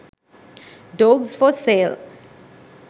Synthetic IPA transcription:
ɖɔːɡzfɔseːl

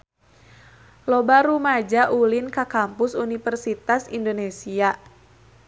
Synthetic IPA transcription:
lobaɾumad͡ʒaʔulinkakampʊsunifərsit̪asindonesia

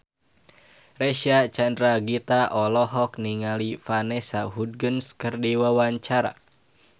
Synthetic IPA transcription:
rɛʃiat͡ʃandɾaɡit̪aʔɔlɔɦɔk̚niŋalifanɛsaɦud̚ɡənskɨrdiwawaɲt͡ʃaɾa̰

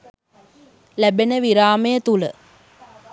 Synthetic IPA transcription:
læbenəʋiɾaːməjət̪ulə̰

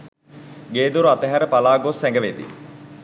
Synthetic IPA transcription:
ɡeːd̪uɾuat̪əɦɛɾəpalaːɡosɛŋɡəʋed̪ḭ

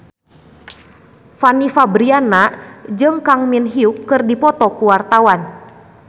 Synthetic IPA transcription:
fanifabɾianad͡ʒɨŋkaŋminɦiukːɨrdipɔt̪ɔkuwart̪awan

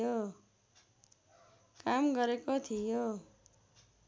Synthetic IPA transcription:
o | kamɡʌɾekot̪ʰijo

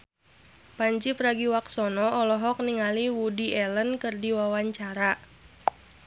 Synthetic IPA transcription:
paɲt͡ʃipraɡiwaksɔnɔɔlɔɦɔk̚niŋaliwudiʔɛlənkɨrdiwawaɲt͡ʃaɾa

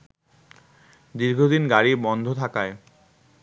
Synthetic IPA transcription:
d̪iɾɡʱod̪inɡaɽibɔnd̪ʱot̪ʰakae

